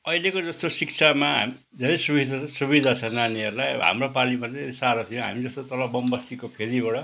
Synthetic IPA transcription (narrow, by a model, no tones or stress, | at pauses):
ʌilekod͡zʌst̪osik̚t͡sʰamaɦa̰mi | d̪ʱeɾʌjsubid̪ʱasubid̪ʱat͡sʰʌnaniʌɾulajɦa̰mropalimatʌisaɾʌt̪ʰijõɦa̰mid͡zʌst̪ot̪ʌlʌbʌmbʌst̪ikopʰeɾibʌɽʌ